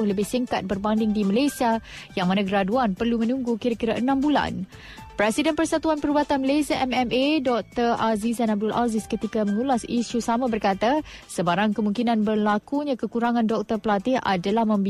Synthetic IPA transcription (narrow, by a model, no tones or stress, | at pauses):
ʊhləbɪhsiŋkat̪̚bərbandɪŋdiməlasia | jaŋmãnãɡəɾaduanpərlumə̃nũŋɡukiɾakiɾaʔənãmbula̰n | pɾɛsidɛnpərsat̪uanpəɾubat̪anməlasiaʔɛmɛmedɔk̚t̪ərazisanab̚dʊlʔazɪskət̪ikamə̃ŋulasiʃusamãbərkat̪asəbaɾaŋkəmuŋkinãnbərlakuɲãkəkuɾaŋãndɔk̚t̪ərpəlat̪ɪha̰dalahmə̃mb